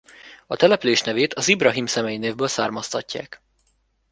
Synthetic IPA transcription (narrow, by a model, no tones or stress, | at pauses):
ɒt̪ɛlɛpyleːʃnɛveːt̪ɒzibrɒɦimsɛmɛjineːvbøːlsaːrmɒst̪ɒcːa̰ːk